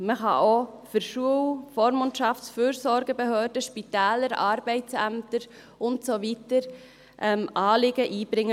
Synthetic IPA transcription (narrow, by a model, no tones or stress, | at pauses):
məχɑ̰ʔofʏɾʃuəlfoːɾmʊntʃɑftsfyːɾsɔɾɡəbehœːɾdəʃpitæːləɾɑːɾb̥ɛɪtt͡sæmtəɾ | ʊntsovitəɾ | ʔɛmʔɑːlɪɡəʔiːb̥ɾɪŋːə